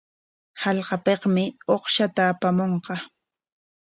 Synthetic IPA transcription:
halqɑpeqmɪoqʃat̪aːpamoɴqɑ

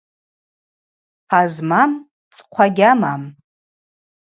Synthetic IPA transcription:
χazmam | t͡sʼqʷʰaɡʲamam

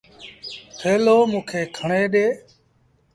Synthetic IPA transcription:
tʰeːloːmũːkʰeːkʰəɳeːɗeː

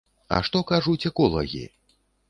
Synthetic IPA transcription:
ɐ̰ʂt̪ɔkaʐut͡sʲɛkɔlˠɐɣʲḭ

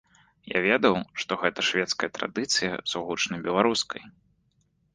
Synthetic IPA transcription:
ja̰vʲɛd̪ɐwʂt̪ɔɣɛt̪ɐʂvʲɛt̪skɐjɐt̪ɾa̰d̪ɨt̪sɨjɐ̰zuɣut͡ʂnɐjbʲɛlˠaɾuskʰɐj

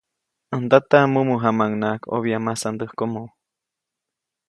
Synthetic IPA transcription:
ənd̪at̪amumuɦamaŋnakʰo̰βjamasand̪əhkomow

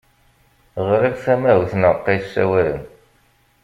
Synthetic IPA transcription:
ʁɾækθæmæwθnəqːisːæ̰wæɾə̰n

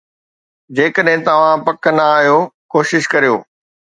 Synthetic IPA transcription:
d͡ʑeːkəɗɦɪ̃t̪ɐʋ̤ãpɐkənɐaːɦjoːkoːʃɪʃkɐɾijo̰ː

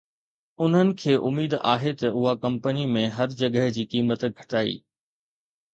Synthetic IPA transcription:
ʊn̤ənɪ̆kʰeːʔʊmiːd̪a̰ːɦet̪ɐʊɦakɐ̃mpənimẽɦɐɾd͡ʑɐɡəɦd͡ʑiːkiːmət̪ɡʱɐ̥ʈaːḭː

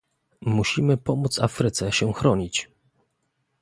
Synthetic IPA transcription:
muɕimɘpɔmut̪sa̰fɾɘt̪sɛɕɛxɾɔɲit͡ɕ

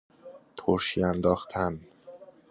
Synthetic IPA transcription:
t̪ʰoɾʃiænd̪ɒːxt̪ʰæn

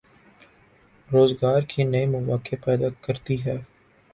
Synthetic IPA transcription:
ɾoːzɡaːɾkʰinɐimʊʋaːkɪpɛːd̪akəɾt̪iɦɛː

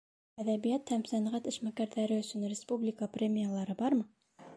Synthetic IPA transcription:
æðæβijæt̪hæmsænʁæt̪ɘ̆ʃmækæɾðæɾɘɵ̆sɵnrʲɪspublʲɪkəprʲemʲijalˠɑɾɤbɑɾmɤ

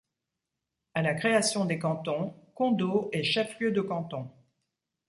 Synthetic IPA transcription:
alakχeasjɔ̃d̪ekɑ̃t̪ɔ̃kɔ̃d̪oɛʃɛfljød̪əkɑ̃t̪ɔ̃

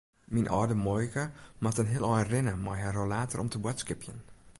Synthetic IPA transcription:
minʔɔdəmojkəmatənɦiəlˠɔjənrɪnəmajɦarolaːtərʔɔmtʰəbwatskɪpjən

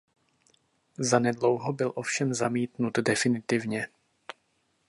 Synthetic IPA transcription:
zanɛdlo̞wɦobɪlʔo̞fʃɛmzamiːt̪nud̪dɛfɪnɪt̪ɪvɲɛ

